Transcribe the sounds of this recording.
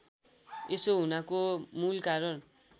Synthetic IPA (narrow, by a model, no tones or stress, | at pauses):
esoɦunakomulkaɾʌn